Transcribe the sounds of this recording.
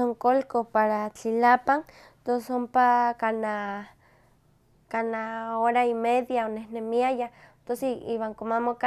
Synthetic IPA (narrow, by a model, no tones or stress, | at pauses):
soŋkolkopaɾat͡ɬilapaŋ | t̪osompakana | kanaoɾaimeðjaonehnemiajat̪osiḭwaŋkomamoka